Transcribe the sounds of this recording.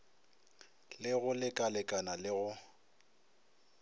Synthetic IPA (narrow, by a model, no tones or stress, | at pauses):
lɪɣʊlɪkʼalɪkʼanalɪɣʊ